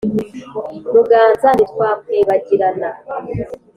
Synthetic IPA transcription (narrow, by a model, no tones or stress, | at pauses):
nuɡaːnzanitkwaːkweːβaɟiɾana